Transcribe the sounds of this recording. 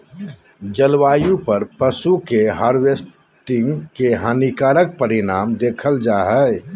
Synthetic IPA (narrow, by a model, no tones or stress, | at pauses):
d͡ʒəlwaːjũpəɾpəsukeɦaɾwesʈɪŋɡkeɦanikaːɾək̚pəɾinaːmd̪eːkʰəld͡ʒaɦəj